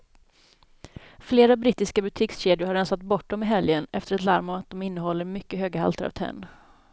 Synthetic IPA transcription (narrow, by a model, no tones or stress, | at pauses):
fleːɾabɾɪt̪ːɪskabɵt̪ʰɪksɕeːd̪ɪʊɾhaɾɛnsat̪bɔʈ̚ːdɔmɪɦɛljənɛ̰ft̪əɾɛt̪laɾmɔmat̪̚d̪ɔmɪnːəɦɔlːəɾmʏkːəɦøːɡaha̰lt̪ʰəɾa̰vt̪ʰɛ̰nː